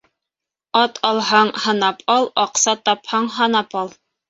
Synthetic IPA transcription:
ɑt̪ʰɑlˠɦɑɴhɤ̆nɑpʰɑlˠɑqsɑt̪ɑphɑɴɦɑnɑpɑlˠ

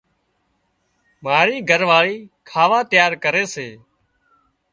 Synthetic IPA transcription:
maːɾiːɡʱəɾʋaːɭiːkʰaːʋaːt̪jaːɾkəɾeːseː

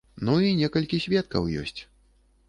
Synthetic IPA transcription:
nuinʲɛkɐlʲkʲisʲvʲɛt̪̚kɐ̰wjɔ̰sʲt͡sʲ

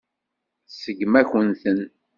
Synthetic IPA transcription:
səɡmæçənθən

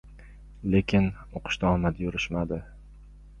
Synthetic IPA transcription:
le̞kʲʰɪn | oqʰɨ̥ʃt̪aɒmad̪jʊɾɪʃmad̪ɪ

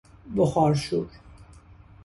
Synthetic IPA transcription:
boxɒːɾʃuːɾ

